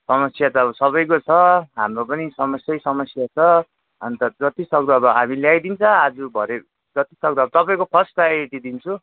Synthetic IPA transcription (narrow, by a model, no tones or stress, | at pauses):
sʌmʌsjat͡sʰʌʌbʌsʌβʌjkot͡sʰʌɦamropʌnisʌmʌsjʌjsʌmʌsjat͡sʰʌ | ʌnt̪ʌd͡zʌt̪isʌk̚d̪uʌbʌɦamiljajd̪int͡sʰʌad͡zubʱʌɾe | d͡zʌt̪isʌk̚d̪uʌbʌt̪ʌpaĩkopʰʌsʈaeʈid̪int͡sʰu